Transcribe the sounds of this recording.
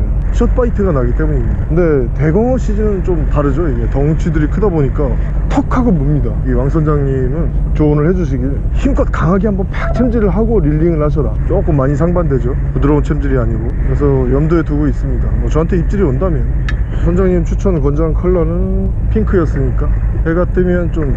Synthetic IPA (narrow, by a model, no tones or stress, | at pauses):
ɕʰʌt̚pʰaitʰɯɡanaɡit͈e̞muɲimɲidakɯnde̞te̞ɡʌŋʌɕ͈ʰid͡ʑinɯnt͡ɕomtaɾɯd͡ʑojiɡetʌŋt͡ɕʰidɯɾikʰɯdaboɲik͈atʰʌk̚kʰaɡɯmumɲidaiwaŋsʰʌnd͡ʑaŋɲimɯnt͡ɕoːnɯɭhe̞d͡ʑuɕ̬ʰiɡiɯçimk͈ʌt̚k͈aŋɦaɡihambʌnpak̚t͡ɕʰemd͡ʑiɾɯɭɦaɡoɾiʎːiŋɯɭhaɕ̬ʰʌɾat͡ɕomak͈omaɲisʰaŋbandwe̞d͡ʑo | pudɯɾʌunt͡ɕʰemd͡ʑiɾiaɲiɡokɯɾes̬ʰʌjʌmdoe̞tuɡois͈ɯmɲidamwʌt͡ɕʌɦantʰeip̚t͡ɕ͈iɾiʌndamjʌn | sʰʌnd͡ʑaŋɲimt͡ɕʰut͡ɕʰʌnɯkʌnd͡ʑaŋkʰɯɭːʌnɯn | pʰiŋkʰɯjʌs͈ɯɲik͈aheɡat͈emjʌnt͡ɕom